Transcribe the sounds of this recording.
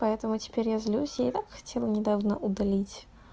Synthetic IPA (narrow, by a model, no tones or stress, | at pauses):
pɐɛt̪əmʊtʲɪ̥pʲeɾʲjazlʲusʲjaɪt̪akxɐ̥tʲʰelˠənʲɪd̪avnəʔʊd̪ɐlʲitʲ